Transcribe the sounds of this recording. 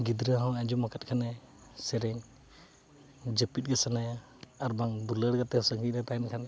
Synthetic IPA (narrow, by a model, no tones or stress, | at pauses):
ɡid̪ɾaɦɔ̃wad͡ʒumakat̪̚kʰanɛ | sɛɾɛŋ | d͡ʒəpit̪̚ˀɡɛsanajaː | ɾbaŋd̪uləɽɡat̪ɛhɔsəŋɡic̚ɾɛt̪ajnkʰan